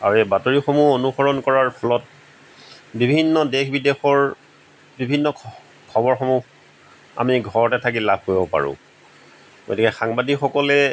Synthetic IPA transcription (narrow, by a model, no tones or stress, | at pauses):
a̰ɹuebatoɹixomuonuxɔɹɔnkɔɹaɹpʰɔlɔt̚ | bibʱinːɔdexʰbidexɔɹ | bibʱinːɔ | kʰɔbɔɹxɔmu | a̰miɡʱɔɹɔtɛtʰakilab̚ʱkojbɔpa̰ɹʊ̰̃ | ɡo̰tikɛxaŋbadikxɔkɔlɛ